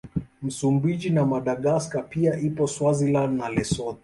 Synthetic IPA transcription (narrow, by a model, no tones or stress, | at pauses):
m̩sumbid͡ʒinamaɗaɠaskapiaʔipɔswazilanalɛsɔtɛ